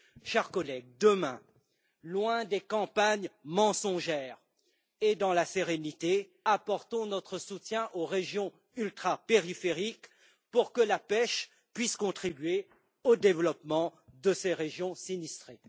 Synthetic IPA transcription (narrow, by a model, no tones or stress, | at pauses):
ʃɛʁkɔlɛɡ̚d̪əmɛ̃ | lwɛ̃d̪ekɑ̃paɲmɑ̃sɔ̃ʒɛːʁ | ed̪ɑ̃laseʁenit̪e | apɔʁt̪ɔ̃nɔt̪χəsut̪jɛ̃ʔoʁeʒjɔ̃ | ylt̪χapeʁifeʁik | puʁkəlapɛʃ | pɥiskɔ̃t̪χibɥe | od̪evlɔpmɑ̃d̪əseʁeʒjɔ̃sinist̪χe